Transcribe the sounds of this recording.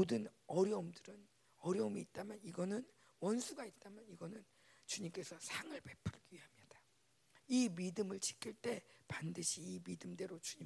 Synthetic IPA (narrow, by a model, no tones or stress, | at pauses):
odɯnʌɾjʌumdɯɾɯn | ʌɾjʌumiːt̚t͈amjaniɡʌnɯn | wʌnsʰuɡait̚t͈amjʌniɡʌnɯn | t͡ɕuɲimk͈e̞sʰʌsʰaŋɯɭpe̞pʰɯɭɡiɦamɲid̥a | imidɯmɯɭt͡ɕi̥kʰiɭt͈e̞pandɯɕʰiːmidɯmde̞ɾot͡ɕuɲi